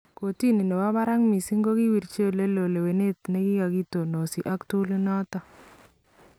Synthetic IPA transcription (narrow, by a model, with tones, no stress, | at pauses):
ko˨ti˦ni˨nɔ˨wa˦ba˦ɾa˦ŋmi˨si˦ŋɡo˦ki˦wi˨ɾt͡ʃe˦˨le˦lo˨le˨we˨ne˦tne˦ki˦ka˨ki˦to˨no˨si˨ʔa˦ktu˦li˦nɔ˦tɔ˦